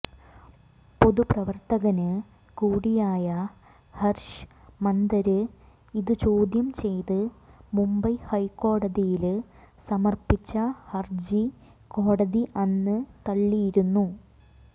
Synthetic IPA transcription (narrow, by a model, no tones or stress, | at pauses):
po̞ðuprɐʋɐrt̪ɐɣɐnɨ | kuːɽijaːjɐ | hɐrʂɨmɐnd̪ɐɾɨ | iðɨt͡ɕo̞ːd̪jɐmt͡ɕe̞jt̪ɨmumbɐjhɐjkːo̞ːɽɐðijil | sɐmɐrpit͡ɕːɐhɐrd͡ʑi | ko̞ːɽɐðiʔɐnːɨt̪ɐɭːijiɾunːu